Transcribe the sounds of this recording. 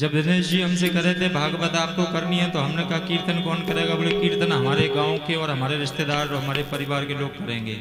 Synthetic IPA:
d͡ʒɐbd̪ʱɪneːd͡ʒiɦɐmsekɐɾẽt̪ʰebʱaːɡpət̪aːp̚kokɐɾniɦɛ̃t̪oɦɐmnekɐɦkiːɾt̪ənkɔːnkɐɾeːɡaboekiːɾt̪ənɦɐmaːɾeɡãːõkeɔːɾɦɐmaːɾeɾɪʃt̪ed̪aːɾt̪ɦɐmaːɾepɐɾɪʋaːɾkeloːɡ̚kɐɾẽːŋɡḛː

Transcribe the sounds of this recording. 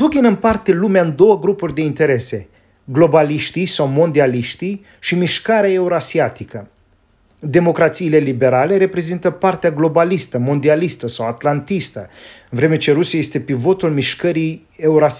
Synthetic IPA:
d̪uɡʲinɨnpart̪e̞lumeaɨnd̪o̞wəɡɾupurʲd̪e̞int̪e̞ɾe̞se̞ | ɡlo̞baliʃt̪ijsawmo̞nd̪ialiʃt̪ij | ʃimiʃkaɾeae̞uɾoasiat̪ikə | d̪e̞mo̞kɾat̪siːle̞libe̞ɾale̞ɾe̞pɾe̞zint̪əpart̪eaɡlo̞balist̪əmo̞nd̪ialist̪əsawat̪lant̪ist̪əɨnvɾe̞me̞t͡ʃe̞ɾusjaje̞st̪e̞pivo̞t̪ulmiʃkəɾij | e̞uɾoa

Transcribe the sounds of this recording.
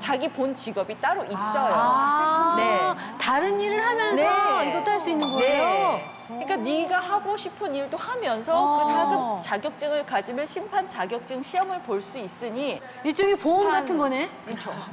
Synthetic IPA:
t͡ɕaɡipont͡ɕiɡʌbit͈aɾoʔis͈ʌjo | netaɾɯniɾɯɭhamjʌnneʌiɡʌt͈oaɭs͈uinːɯnɡʌejo | ɯɲik͈aniɡiɡahaɡoɕʰipʰɯniɭdohamjʌnsʰʌkɯsʰaɡɯt͡ɕaɡjʌk̚t͡ɕ͈ɯŋɯɭkad͡ʑimjʌnɕʰimpʰant͡ɕaɡjʌk̚t͡ɕ͈ɯŋɕʰiʌmɯɭpoɭs͈uis͈ɯɲi | et͡ɕ͈ʌɡipounɡatʰɯnɡʌne̞kɯt͡ɕʰo

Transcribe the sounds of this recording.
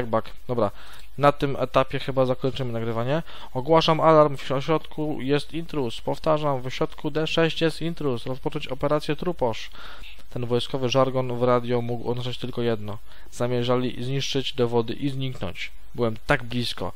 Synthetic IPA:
ɡ̚bak | d̪̥ɔbɾa | nat̪ɘmɛ̰t̪apʲjɛxɘbazakɔɲt͡ʂɘmɘnaɡɾɘvaɲɛ | ɔɡwaʂamʔalaɾmfɔɕɾɔt̪kʰujɛst̪int̪ɾuspɔft̪aʐamvɔɕɾɔt̪kud̪ɛʂɛɕt͡ɕjɛst̪int̪ɾusɾɔspɔt͡ʂɔɲt͡ɕɔpɛɾat̪sjɛt̪ɾupɔʂ | t̪ɛnvɔjskɔvɘʐaɾɡɔnvɾad̪ʲjɔmuɡwʔɔ̰nɔʐat͡ɕt̪ɘlkɔjɛd̪nɔ | z̥amʲjɛʐalʲizɲiʂt͡ʂɘd͡ʑd̪ɔvɔd̪ɘ̰ʔizɲiknɔ̰ɲt͡ɕ | bɘwɛmt̪aɡblʲiskɔ̰

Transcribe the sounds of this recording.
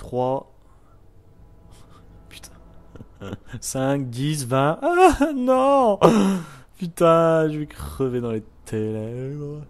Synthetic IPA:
t̪χwa | py̥t̪ʰɛ̥̃ | sɛ̃k̚d̪isvɛ̃ʔanɔ̃ | pyt̪ɛ̃ʒəvekχəved̪ɑ̃let̪ʰelɛbʁ

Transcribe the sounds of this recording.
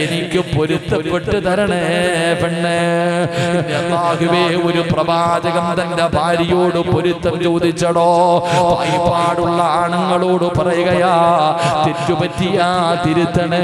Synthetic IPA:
enikʲːɨpoɾut̪ːɐʋɐʈːɨt̪ɐɾɐɳepiɳːe | ɐaːɣuʋeoɾuprɐbʱaːd͡ʑɐɣɐmt̪ɐndebʱaːɾɐjoːɽɨpoɾut̪ːɐmt͡ɕoːd̪ʱit͡ɕːɐɽoːbɐ̰jpaːɽuɭːɐaːɳɐŋːɐɭoːɽɨpɐrɐjuɣɐjaːt̪itːupɐtːijaːt̪iɾut̪ːɐɳe

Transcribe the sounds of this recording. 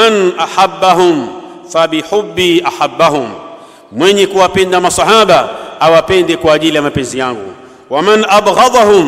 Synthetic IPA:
anʔaħabːaɦʊm | faɓiħʊbːiʔaħabːaɦʊm | mwɛɲɛkuwapɛndamasɑħaɓaawapɛndɛkwaːʄilijamapɛnzijaŋɡṵ | wamanʔabɣɑðˤahʊm

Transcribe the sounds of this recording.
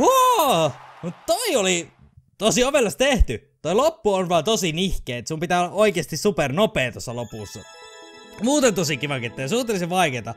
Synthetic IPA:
o | mut̪t̪oioli | t̪osioʋelːɑst̪eht̪y | t̪oilopːuonʋɑːt̪osinihkeːt̪sumpit̪æːolːɑoikeɑst̪issupernopeːt̪osːɑlopusːɑ̰ | muːt̪ent̪osikiʋɑŋket̪ːˑejɑsuht̪eliseʋʋɑiket̪ɑ

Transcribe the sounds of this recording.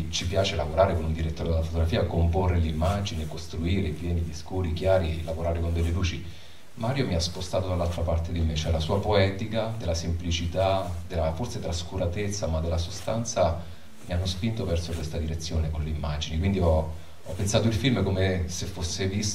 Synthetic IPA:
t͡ʃipjaːt͡ʃelavoɾaːɾekonund̪iɾet̪ːoːɾed̪elafot̪oɡɾafiːakomporːelimːad͡ʒinikost̪ɾuiːɾevjɛːniʎiskoɾikjaːɾilavoɾaːɾekond̪elːeluːt͡ʃi | maːɾjomiaspost̪aːt̪od̪alːalt̪ɾapart̪ed̪imet͡ʃɛlasuːapoɛːt̪ikad̪elːasemplit͡ʃit̪ad̪elːaforset̪ɾaskuɾat̪et̪sːamad̪ːelːasost̪ant̪sa | mianːospint̪ovɛrsokwest̪ad̪iɾet̪sːjoːnekonleimːad͡ʒinikwind̪iɔ | ɔpːensaːt̪̬oilfilmkomesefːosːevis

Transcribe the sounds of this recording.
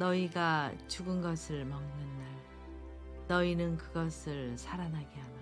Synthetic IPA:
nʌiɡat͡ɕuɡɯnɡʌsʰɯɭmʌŋnɯnːaɭ | nʌinɯnkɯɡʌsʰɯɭsʰaɾanɦaɡeɦama

